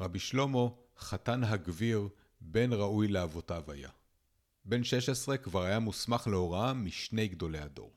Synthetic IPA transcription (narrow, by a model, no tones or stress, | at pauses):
ʁabiʃlo̞mo̞ | χatanɦaɡviʁ | be̞nʁaujleavo̞tavaja̰ | be̞nʃe̞ʃe̞sʁe̞kvaʁajamusmaχleo̞ʁaamːiʃne̞jɡdo̞le̞jado̞̰ʁ